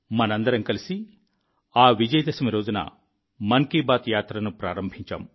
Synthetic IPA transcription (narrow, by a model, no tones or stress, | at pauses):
mɐnɐnd̪ɐɾɐmkɐlisi | aːʋid͡ʒɐjɐd̪ɐsɐmɐɾoːd͡ʒunɐ̰ | mɐŋkiːbaːt̪jaːt̪ɾɐnupɾaːɾɐmbʱiɲt͡ʃa̰m